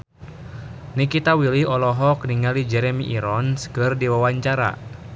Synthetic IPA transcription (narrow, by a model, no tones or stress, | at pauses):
nikit̪awiliɔlɔɦɔkniŋalid͡ʒɛɾɛmiʔiɾɔnskɨrdiwawaɲt͡ʃaɾa̰